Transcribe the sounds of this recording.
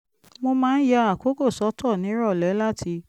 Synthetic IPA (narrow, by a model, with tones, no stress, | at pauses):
mo˧mãː˦n̩˦ja˧a˨ko˨˦ko˦˨sɔ˨˦tʰɔ˦˨nĩ˨˦ɾɔ˦˨lɛ˨˦la˦tʰi˧